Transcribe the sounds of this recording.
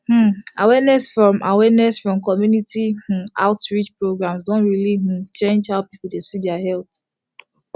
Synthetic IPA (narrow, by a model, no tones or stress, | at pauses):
h̩awɛnɛsfɹɔ̃mʔa̰wɛnɛsfɹɔ̃mkɔmjunitʰĩaʊtɹit͡ʃpɹoɡɹãmsdõntɹiliɦ̩t͡ʃẽnd͡ʒhaʊpipl̩ˠdesidɛahɛlθ